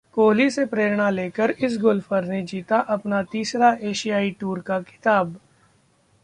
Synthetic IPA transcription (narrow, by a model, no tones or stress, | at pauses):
koːlisepɾeːɾɽ̃aleːkəɾɪs̬ɡʊlfəɾned͡ʒiːt̪aʔɐpnat̪iːsɾaeːʃijaːiʈuːɾkakɪ̥t̪aːb